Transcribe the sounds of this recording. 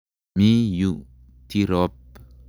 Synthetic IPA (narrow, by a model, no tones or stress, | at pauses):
miju | t̪iɾɔp̚